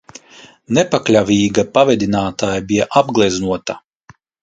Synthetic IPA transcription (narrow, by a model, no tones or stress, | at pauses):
nɛpaklʲavʲiːɡapavʲɛd̪ʲinaːt̪aːjabijaʔabɡlˠiznuɔt̪a